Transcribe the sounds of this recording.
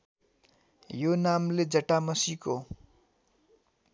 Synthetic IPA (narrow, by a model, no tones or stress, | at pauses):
jonamled͡zʌʈamʌsiko